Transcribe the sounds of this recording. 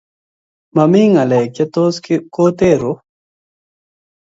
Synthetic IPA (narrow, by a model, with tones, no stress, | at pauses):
mɐ˨mi˦ŋɐ˨le˨kjɐ˦t̪osko˦t̪e˦ɾo